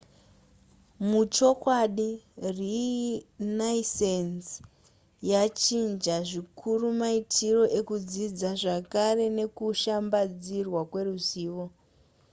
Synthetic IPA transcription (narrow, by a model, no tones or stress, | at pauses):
mut͡ʃo̞kwaɗiri | naisens | jat͡ʃind͡ʒaʐikʰurumaitʰiro̞ʔe̞kud͡zid͡zaʐakare̞ne̞kuʃambad͡zirwakwe̞ruziːʋo̞